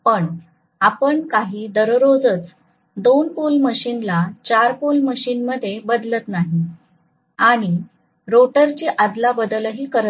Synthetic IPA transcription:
pəɳ | apəɳkaɦiːd̪əɾɾod͡zət͡s | d̪onpulməɕiːnlat͡ɕaɾpulməɕiːnməd̪ʱːjebəd̪lət̪naɦi | aɽ̃i | ɾoʈəɾt͡ɕiʔad̪labəd̪ləɦiːkəɾə

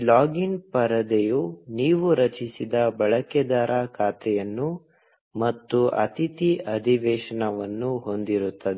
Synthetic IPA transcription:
laːɡinpɐɾɐd̪ejuniːʋuɾɐt͡ʃisid̪ɐbɐɭɐkɛd̪aːɾakʰaːt̪ʰɛjɐnːu | mɐt̪ːuʔɐ̰t̪it̪iʔɐd̪ʱiʋɛːʂɐɳɐʋɐnːuɦo̞nd̪iɾut̪ːɐd̪ɛ

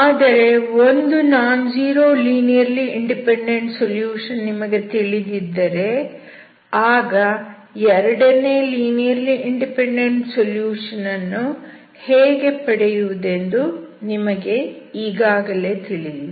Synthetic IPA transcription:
aːd̪ɐɾe̞o̞nd̪unaːnd͡ʒiːɾo̞ːliːnijɐɾliiɳɖipeɳɖeɳʈsoljuːʂɐnːimɐɡe̞t̪iɭid̪id̪ːɐɾe̞ | aːɡɐ | ɛɾɐɽɐne̞ːliːnijɐɾliʔiɳɖipeɳɖe̞ɳʈsoljuːʂɐnɐnːu | heːɡe̞pɐɽɛjuʋud̪e̞nd̪unimɐɡe̞iːɡaːɡɐle̞ːt̪iɭid̪

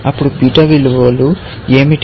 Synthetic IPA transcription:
ɐpːuɽubiːʈɐʋiluʋolu | eːmiʈ

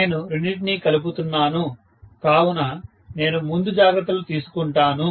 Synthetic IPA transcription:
nuɾiɳɖiʈ̬nikɐlup̬ut̪unːaːnu | kaːwunɐ | ne̞ːnumund̪ud͡ʒaːɡɾɐt̪ːɐlut̪iːsu̥kuɳʈaːnu

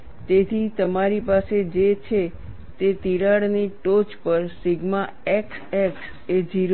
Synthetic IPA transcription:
t̪et̪ʰit̪əmaɾipased͡ʒet͡ʃʰe | t̪et̪iɾaɽniʈot͡ʃpəɾsɪɡma | eksɛks | ed͡ʒiɾ

